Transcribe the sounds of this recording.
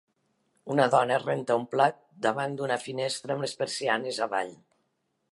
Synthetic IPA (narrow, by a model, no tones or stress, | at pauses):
unəðɔnərent̪əumplat̪̚d̪aβand̪unəfinest̪ɾəːmlespəɾsianezaβa̰ʎ